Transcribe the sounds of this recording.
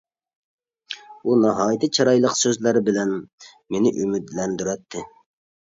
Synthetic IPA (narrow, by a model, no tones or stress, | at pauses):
unɑɦɑːjt̪ʰɨt͡ʃʰɑɾɑjlˠəqsøzlæɾɪbɪlɛn | menɪʔymyd̪lɛnd̪yɾɛt̪ʰːɪ